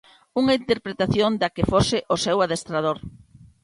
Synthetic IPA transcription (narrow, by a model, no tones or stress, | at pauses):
uŋaint̪eɾpɾet̪aθjond̪akefosɪʔosɛwaðest̪ɾað̞oɾ